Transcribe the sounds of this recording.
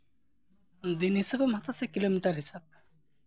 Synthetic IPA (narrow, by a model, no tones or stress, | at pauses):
d̪inɦisabemat̪ʰasakilomiʈaɾɦisab̚